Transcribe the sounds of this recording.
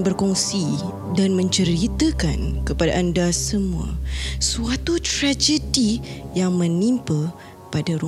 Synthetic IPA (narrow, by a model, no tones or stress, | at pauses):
bərkɔŋsi | danmə̃ɲt͡ʃəɾit̪əkankəpada̰ʔandasəmua̰suat̪ut̪ɾad͡ʒədijaŋmə̃nimpə | padaɾu